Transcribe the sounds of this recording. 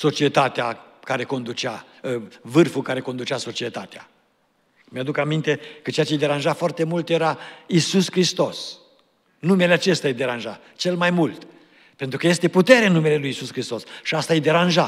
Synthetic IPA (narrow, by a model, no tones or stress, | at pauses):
so̞t͡ʃie̞t̪at̪eakaɾe̞ko̞nd̪ut͡ʃa | vɨrfulkaɾe̞ko̞nd̪ut͡ʃaso̞t͡ʃie̞t̪at̪ea̰ | mjad̪ukamint̪e̞kət͡ʃeat͡ʃe̞jd̪e̞ɾanʒafoart̪e̞mult̪e̞ɾaisuskɾist̪o̞s | numeleat͡ʃe̞st̪jajd̪e̞ɾanʒa̰ | t͡ʃe̞lmajmult̪ | pe̞nt̪ɾukəje̞st̪eput̪e̞ɾeɨnume̞le̞lujisuskɾist̪o̞sʃiast̪aed̪e̞ɾanʒa